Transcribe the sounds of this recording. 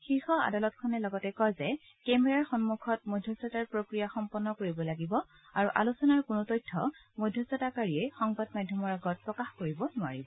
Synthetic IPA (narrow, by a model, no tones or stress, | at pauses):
xixɔa̰dalɔtkʰɔnɛlɔɡɔtɛkɔjzɛ | kɛmɛɹaɹxɔnmukʰɔt̚mɔjdʱjɔsɔtaɹpɹokɹijaxɔmpɔnːɔkoɹibɔlaɡibɔ | aɹuʔa̰lusɔnaɹkʊnʊtɔjtʰːɔ̰ | mɔjdʱjɔsɔtakaɹiɛxɔŋbadmadʱjɔmɔɹaɡɔt̚pɹɔkaxkoɹibɔnʊa̰ɹibɔ